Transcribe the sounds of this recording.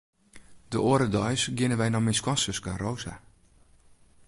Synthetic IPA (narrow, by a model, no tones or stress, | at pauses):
dəʔoːɾədɔjsɡɪnəʋɛjnɔmɪskwɔsəskarowza̰